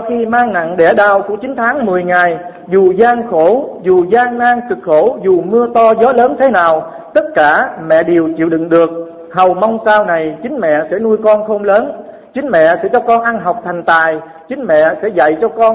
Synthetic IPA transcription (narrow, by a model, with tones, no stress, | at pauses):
wxi˧maː˧ŋna̰˧˨ŋɗɛ˧˩ɗaː˨˩wku˧˩ət͡ɕï˨˦ŋ̟t̪ʰaː˨˦ŋmɨ˨˩əjŋa˨˩j | zu˨˩zaː˧ŋxo˧˩zu˨˩zaː˧ŋnaː˧ŋkɨ˨˩k̚xo˧˩zu˨˩mɨ˧ət̪ɔ˧zɔ˨˦ləː˨˦nt̪ʰe˨˦naː˨˩w | t̪ə˦˥t̚kaː˧˩mɛ̰˧˨ɗe˨˩əwt͡ɕḭ˧˨wɗḭ˧˨ŋɗɨ˨˩ək̚ | hə˨˩wma˧wŋ͡msaː˧wna˨˩jt͡ɕï˨˦ŋ̟mɛ̰˧˨sɛ̰˧˥nu˧əjkɔ˧nxə˧wŋ͡mləː˨˦n | t͡ɕï˨˦ŋ̟mɛ̰˧˨sɛ̰˧˥t͡ɕɔ˧kɔ˧nʔa˧nɦa˨˩wk͡p̚t̪ʰa˨˩jŋ̟t̪aː˨˩j | t͡ɕï˨˦ŋ̟mɛ̰˧˨sɛ̰˧˥za̰˧˨jt͡ɕɔ˧kɔ˧n